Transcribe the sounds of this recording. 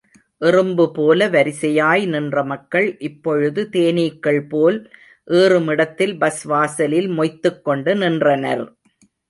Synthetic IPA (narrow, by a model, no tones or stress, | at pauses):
ʔɪrɯmbɯpoːlɐʋɐɾɪsɐjaːjnɪndrɐmɐkːɐɭʔɪpːɔɻɯðɯt̪eːniːkːɐɭpoːl | ʔeːrɯmɪɽɐt̪ːɪlbɐsʋaːsɐlɪlmɔɪt̪ːɯkːɔɳɖɯnɪndrɐnɐ̰ɾ